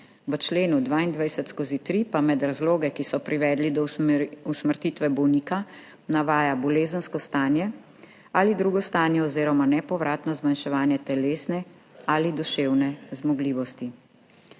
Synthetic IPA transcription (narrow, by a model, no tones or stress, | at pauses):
ʋət͡ʃleːnud̪ʋaːind̪ʋajsɛt̪skozit̪ɾipamɛd̪ɾazloːɡɛkisɔpɾiʋɛːd̪lid̪ɔusməɾt̪it̪ʋɛbɔwniːka | naʋaːjabɔleːzənskɔst̪aːnjɛ | alid̪ɾuːɡɔst̪aːnjɛɔzeːɾɔmanɛpɔʋɾʔaːt̪nɔzmanʃɛʋaːnjɛt̪ɛleːsnɛ | alid̪uʃeːwnɛzmɔɡliːʋɔst̪i